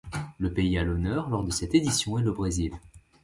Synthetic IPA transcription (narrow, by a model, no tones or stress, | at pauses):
ləpeialɔnœʁlɔʁd̪əsɛt̪ed̪isjɔ̃ɛləbʁezil